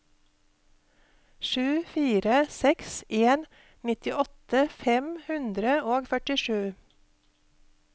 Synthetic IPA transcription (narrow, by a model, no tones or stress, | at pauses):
ʃʉːfiːɾəsɛksʔeːn | nɪt̪ɪʔɔt̪əfɛmhʉnd̪ɾəoːɡfœʈɪʃʉː